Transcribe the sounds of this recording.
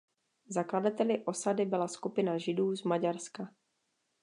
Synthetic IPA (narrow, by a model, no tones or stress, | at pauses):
zakladat̪ɛlɪʔo̞sadɪbɪlaskupɪnaʒɪduːzmaɟaɾska